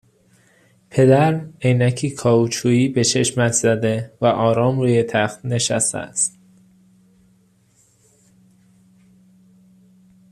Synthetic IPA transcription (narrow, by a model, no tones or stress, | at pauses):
pʰe̞d̪æɾejnæcʰiːkʰɒːut͡ʃʰuːiːbe̞t͡ʃʰe̞ʃmæt̪ʰzæd̪e̞væʔɒːɾɒːmɾuːje̞t̪ʰæχt̪ne̞ʃæ̰st̪ḛæ̰st̪